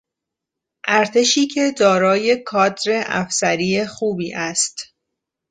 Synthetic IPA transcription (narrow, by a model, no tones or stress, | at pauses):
ʔæɾt̪ʰe̞ʃiːcʰe̞d̪ɒːɾɒːje̞kʰɒːd̪ɾe̞ʔæ̰fsæɾiːjexuːbiːʔæst̪